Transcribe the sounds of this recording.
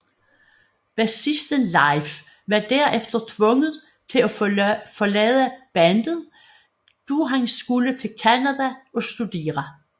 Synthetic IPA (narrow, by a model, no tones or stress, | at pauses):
b̥æsisd̥ənlɑɪf | ʋɑ̈d̥æɐʔefd̥ɐt͡sʰʋɔ̽ŋəð̩ˠ | t͡sʰe̝læfɒ̽lɛːð̩ˠb̥ænd̥ð̩ˠ | d̥uɦæŋsɡ̥ulət͡sʰe̝lkʰænæðæʔɒ̽sd̥ud̥e̝̰ːʁɐ